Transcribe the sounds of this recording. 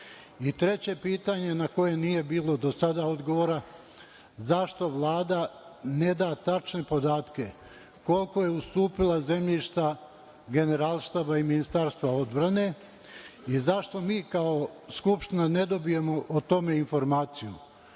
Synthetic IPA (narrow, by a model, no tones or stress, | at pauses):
it̪ɾe̞t͡ɕe̞piːt̪aɲe̞nako̞je̞nije̞biːlo̞d̪o̞sad̪aod̪ɡo̞ʋoɾa | zaʃt̪o̞ʋlˠaːd̪ane̞d̪aːt̪at͡ʃne̞po̞d̪aːt̪ke̞ | ko̞lˠko̞je̞ust̪uːpilˠaze̞mʎiʃt̪a | ɡe̞ne̞ɾalˠʃt̪aːbaiminist̪aːɾst̪ʋao̞d̪bɾane̞ | izaʃt̪o̞miːkao̞skupʃt̪inane̞d̪o̞bije̞mo̞ʔot̪o̞me̞info̞ɾmaːt̪sijṵ